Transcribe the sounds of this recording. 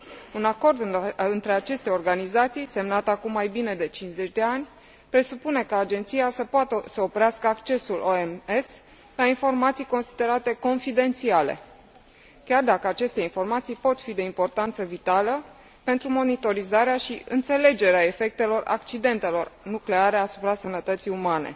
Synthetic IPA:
unako̞rd̪ɨnt̪ɾe̞at͡ʃe̞st̪e̞o̞rɡanizat̪sijse̞mnat̪əakumːajbine̞d̪e̞t͡ʃinsze̞t͡ʃʲd̪e̞anʲ | pɾe̞supune̞kaːd͡ʒe̞nt̪sijasəpoat̪əsəo̞pɾeaskəakt͡ʃe̞suloemes | lainfo̞rmat̪sijko̞nsid̪e̞ɾat̪e̞ko̞nfid̪e̞nt̪siale̞̰ | kʲard̪akəat͡ʃe̞st̪e̞info̞rmat̪sijpo̞t̪fid̪e̞impo̞rt̪ant̪səvit̪alə | pent̪ɾumo̞nit̪o̞ɾizaɾeaʃiɨ̰nt̪se̞le̞d͡ʒe̞ɾeae̞fe̞k̚t̪e̞lo̞ra̰kt͡ʃid̪e̞nt̪e̞lo̞rnukle̞aɾe̞asu̥pɾasənət̪ət̪sijumane̞̰

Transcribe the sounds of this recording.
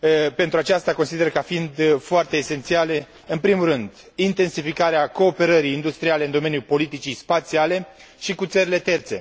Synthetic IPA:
pe̞nt̪ɾuat͡ʃast̪akonsid̪e̞rkafind̪foart̪e̞ːse̞nt̪siale̞ | ɨnpɾimurɨnd̪ | int̪e̞nsifikaɾeako̞ːpe̞ɾəɾijːnd̪ust̪ɾiale̞ɨnd̪o̞me̞njupo̞lit̪it͡ʃijspat̪siale̞ | ʃikut̪səɾile̞t̪e̞rt̪se̞̰

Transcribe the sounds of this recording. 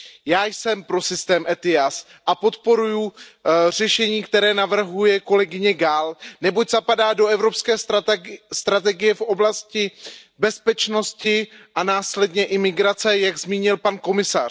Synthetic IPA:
jaːjsɛmpɾo̞sɪst̪ɛːmʔɛt̪ɪjas | ʔapo̞t̪po̞ɾujur̝ɛʃɛɲiːkt̪ɛɾɛːnavr̩ɦujɛko̞lɛɡɪɲɛɡalnɛboczapadaːdo̞ɛvɾopskɛː | st̪ɾat̪̬ɛɡɪjɛfʔo̞blascɪbɛspɛt͡ʃno̞scɪʔanaːslɛdɲɛʔɪmɪɡɾat͡sɛjaɡzmiːɲɪlpanko̞mɪsa

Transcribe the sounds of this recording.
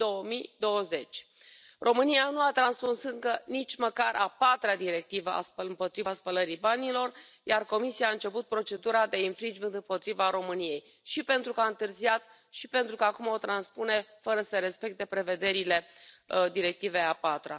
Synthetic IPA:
d̪̥o̞wəmid̪o̞wəze̞t͡ʃʲ | rʔo̞mɨnianuat̪ɾanspunsɨŋkənit͡ʃʲməkaɾʔapat̪ɾad̪iɾe̞k̚t̪ivəʔa̰spəlɨmpo̞t̪ɾivaspələɾibanilo̞r | jarko̞misiaːɨnt͡ʃe̞put̪̚pɾo̞t͡ʃe̞d̪uɾad̪e̞infɾind͡ʒpɨnd̪ɨmpo̞t̪ɾivaɾo̞mɨnije̞j | ʃipe̞nt̪ɾukəaɨnt̪ɨrziat̪ | ʃipe̞nt̪ɾukəakumo̞t̪ɾanspune̞fəɾəsəɾe̞spe̞k̚t̪e̞pɾe̞ve̞d̪e̞ɾile̞d̪iɾe̞k̚t̪ive̞apat̪ɾa̰

